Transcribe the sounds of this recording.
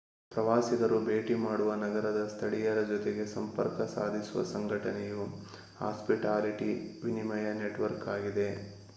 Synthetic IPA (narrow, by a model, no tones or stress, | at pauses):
pɾɐʋaːsiɡɐɾubeːʈimaːɽuʋɐnɐɡɐɾɐd̪ɐst̪ʰɐɽijɐɾɐd͡ʒɔt̪eɡe̞sɐmpɐ̰ɾkɐsa̰ːd̪ʱisuʋɐ̰sɐŋɡʱɐʈɐneju | ha̰ːspiʈaːliʈiʋinimɐjɐneʈʋɐɾkaːɡid̪e̞